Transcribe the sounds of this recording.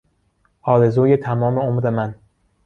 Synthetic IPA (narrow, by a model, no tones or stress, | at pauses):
ʔɒːɾe̞zuːjet̪ʰæmɒːme̞omɾemæn